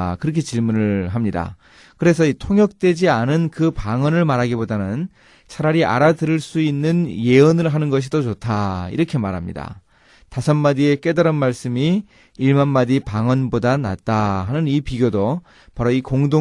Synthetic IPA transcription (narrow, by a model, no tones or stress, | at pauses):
kɯɾʌkʰe̞t͡ɕiɭmunɯɭɦamɲida̰ | kɯɾe̞sʰʌitʰoŋjʌk̚t͈we̞d͡ʑianɯnkɯpaŋʌnɯɭmaɾɦaɡibodanɯn | t͡ɕʰaɾaɾiʔa̰ɾadɯɾɯɭs͈uinːɯnje̞ɯnɯɭɦanɯnɡʌɕ̬ʰidot͡ɕotʰaḭɾʌkʰe̞maɾɦamɲḭda̰ | tasʰʌnmadie̞k͈e̞daɾɯnmaɭs͈ɯmi | iɭmanmadipaŋʌnbodana̰t̚t͈aɦanɯnipiɡjodo | paɾoikoŋdo